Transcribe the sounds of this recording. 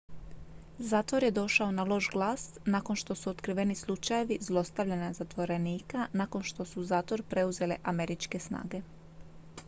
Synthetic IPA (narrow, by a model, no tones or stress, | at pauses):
zaːt̪ʋo̞ɾje̞d̪o̞ʃaonalˠo̞ʒɡlˠaːs | nako̞nʃt̪o̞suot̪kɾiʋe̞nislˠut͡ʃaje̞ʋizlˠo̞st̪aʋʎenazat̪ʋo̞ɾe̞niːkanako̞nʃt̪o̞suzaːt̪ʋo̞ɾpɾe̞uze̞le̞̰ʔame̞ɾit͡ʃke̞sna̰ːɡe̞